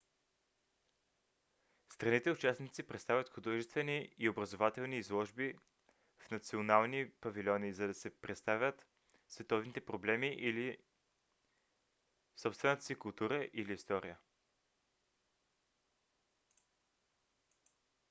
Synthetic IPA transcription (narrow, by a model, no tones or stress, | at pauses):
st̪ɾɐnit̪ɛʊt͡ʃasnit̪sipɾɛt̪st̪avʲət̪xʊd̪ɔʒɛst̪vɛniːobɾɐzovat̪ɛlˠniːzlˠɔʒbi | fnɐt̪sionalˠnipɐvilʲɔniːzɐd̪ɐsɛpɾɛt̪st̪avʲjət̪ | svɛt̪ɔvnit̪ɛpɾoblɛmiʔili | sɔpst̪vɛnət̪ə̥sikʊlˠt̪uɾəʔiliːst̪ɔɾijə